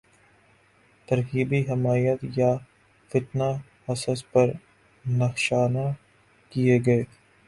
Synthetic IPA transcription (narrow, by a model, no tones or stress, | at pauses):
t̪ɐɾɦiːbiɦɪmaːjət̪ja | fɪt̪na | hɐsəspɐɾ | nɐxʃaːna | kijeɡɐe